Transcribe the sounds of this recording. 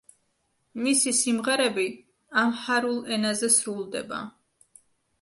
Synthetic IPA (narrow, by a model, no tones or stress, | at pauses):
misisimʁɛɾɛbi | amħaɾulˠɛnazɛsɾulˠd̪ɛ̰ba̰